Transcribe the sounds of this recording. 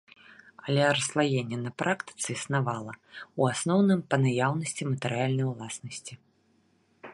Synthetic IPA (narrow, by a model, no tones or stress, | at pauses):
ɐlʲɛɾɐslˠajenʲːɛnɐpɾʔakt̪ɨ̥t̪sɨisnavalˠɐuasnɔwnɨmpɐnajawnɐsʲt͡sʲimɐt̪ɨɾɨjalʲnɐjwlˠasnɐsʲt͡sʲi